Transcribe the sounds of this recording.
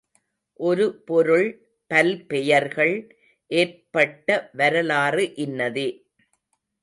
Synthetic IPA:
ʔɔɾɯpɔɾɯɭ | pɐlpɛjɐɾɣɐɭ | ʔeːɾpɐʈːɐʋɐɾɐlaːrɯʔɪnːɐðeː

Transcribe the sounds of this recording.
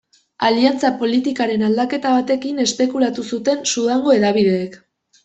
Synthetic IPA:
aliant͡sapo̞lit̪ikaɾe̞nald̪ake̞t̪aβat̪e̞kine̞spe̞kulat̪usut̪e̞nsuðaŋɡo̞e̞ðaβið̞eːk

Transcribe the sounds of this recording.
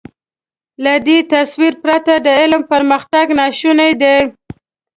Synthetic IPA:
lad̪et̪aswiɾpɾat̪ad̪əɪlmpəɾməxt̪aɡnɑʃunajd̪e

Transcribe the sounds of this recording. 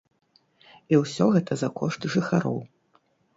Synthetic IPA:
iwsʲɔɣɛt̪ʰɐzɐkɔʂt̪ʐɨxaɾɔ̰w

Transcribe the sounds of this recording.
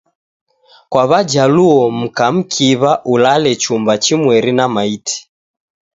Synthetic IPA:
kwaβad͡ʒaluɔm̩kam̩kʰiβaʔulalɛt͡ʃumbat͡ʃimwɛɾinamaitʰi̥

